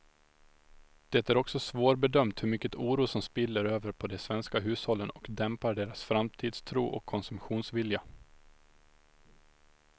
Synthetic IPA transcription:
d̪̥ɛt̪æɾɔksɔsvoːɾbɛd̪œmt̪hɵɾmʏkːət̪ʰuːɾuːsɔmspɪlːəɾøːvəɾpʰɔd̪ɛsvɛnskaɦʉ̟ːshɔlːənɔkd̪ɛmpaɖeːɾasfɾamt̪ʰiːd̪st̪ʰɾuːʔɔ̰kʰːɔnsɵmɧuːnsvɪlja

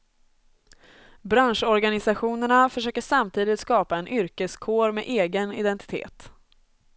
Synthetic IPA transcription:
bɾanʂɔɾɡanɪsaɧuːnəɳafœʂøːkəʂamt̪ʰiːd̪ɪt̪skɑːpaɛnʔʏɾkəskʰoːɾmeʔeːɡənɪ̰d̪ɛnt̪ɪ̥t̪ʰḛːt̪

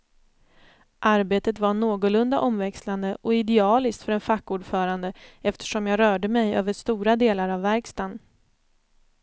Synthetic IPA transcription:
ʔaɾbeːt̪ət̪vaɳoːɡʊlɵnd̪aʔɔmvɛksland̪əʔɔɪd̪ɛɑːlɪst̪fœɾɛnfakːuːɖfœːɾand̪əɛft̪ə̥ʂɔmjɑːɾœːɖəmɛjø̰ːvəʂt̪uːɾad̪eːlaɾavːæɾkst̪an

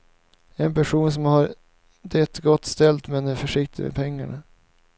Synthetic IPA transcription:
ɛnpæʂuːns̬ɔmhaɾ | d̪ɛt̪ɡɔt̪ːst̪ɛlt̪mɛnɛfœʂɪk̚t̪ɪmḛpʰɛŋːaɳa

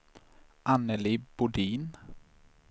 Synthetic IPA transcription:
ʔanəlib̥ʊɖiːn

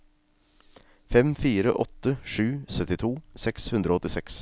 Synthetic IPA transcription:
fɛmfiːɾə̰ʔɔt̪ːəʂʉːsœt̪ɪt̪ʰuːsɛkshʉnd̪ɾəoːɔt̪ːɪsɛks

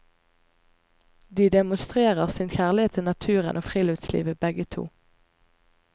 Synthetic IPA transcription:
d̪iːd̪ɛmʊnst̪ʁeːʁəʁsɪːnçæːʁlɪeːt̪ʰɪnɑt̪ʰʉːʁə̰nʔoːfʁiːlʉːt̪slḭːʋəbɛɡət̪ʰṵː

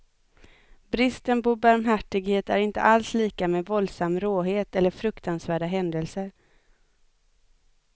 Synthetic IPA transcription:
bɾɪst̪ənpɔbaɾmɦæʈːɪɡheːt̪æ̰ɾɪnt̪ə̰ʔalsliːkamɛvɔld̪samːɾoːɦeːt̪ɛlːəfɾɵkt̪ʰansvæːɖaɦɛnd̪əlsəɾ

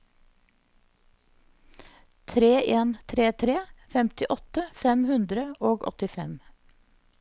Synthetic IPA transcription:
t̪ʰɾeːʔeːnt̪ʰɾeːt̪ʰɾeːfɛmt̪ɪʔɔt̪əfɛmhʉnd̪ɾəʔoːɡɔ̰t̪ɪfɛ̰m

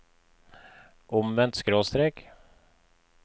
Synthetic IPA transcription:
ʔɔmvɛnt̪skɾoːst̪ɾɛk

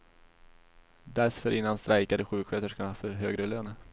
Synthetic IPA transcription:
d̪æɾfœɾʔɪnːanst̪ɾʔajkad̪əɧʉ̟ːkɧøːt̪əʂkaɑːfœɾɦøːɡɾəløːnə

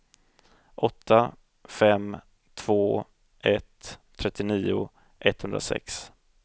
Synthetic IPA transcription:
ʔɔt̪ːa | fɛm | t̪ʰv̥oː | ʔɛt̪ʰː | ɾɛt̪ːɪniːʊ | ʔɛt̪hɵnd̪ɾasɛ̰ks

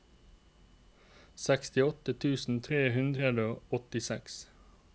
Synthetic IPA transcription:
sækst̪ɪɔt̪ət̪ʰʉːsn̩t̪ʰʁeːhʉnd̪ʁəd̪oːɔt̪ɪsɛks

